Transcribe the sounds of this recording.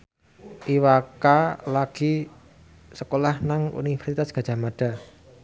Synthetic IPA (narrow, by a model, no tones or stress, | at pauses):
ʔiwakalaɡ̥i | səkolahnaŋṵnivɛrsit̪asɡ̥a̤̥ʒ̥a̤maɖ̥a̤